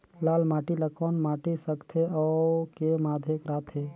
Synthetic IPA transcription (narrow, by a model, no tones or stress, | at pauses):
laːlmaʈiləkʰɔnmaʈisəkt̪ʰeɔkemad̪ʱekɾaːt̪ʰe